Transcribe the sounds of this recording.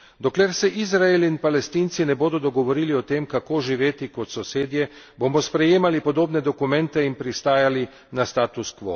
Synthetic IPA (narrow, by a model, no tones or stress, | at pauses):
d̪ɔkleɾsɛʔizɾaeliinpalɛst̪iːnt̪sinɛboːd̪ɔd̪ɔɡɔʋɔɾiːliɔt̪eːmkakoːʒiʋeːt̪ikɔt̪sɔseːd̪jɛ | bomɔspɾɛjeːmalipɔd̪oːbnɛd̪ɔkumɛnt̪ɛinpɾist̪aːjali | nast̪aːt̪uskʋo̰